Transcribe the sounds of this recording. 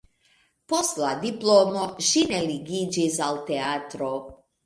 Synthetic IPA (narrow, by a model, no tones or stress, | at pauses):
poslad̪iplˠomoʒinɛliɡid͡ʒizalˠt̪ɛat̪ɾo